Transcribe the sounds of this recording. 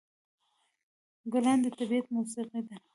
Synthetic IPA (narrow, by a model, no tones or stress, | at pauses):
ɡʊland̪ət̪abijat̪̚musiqid̪a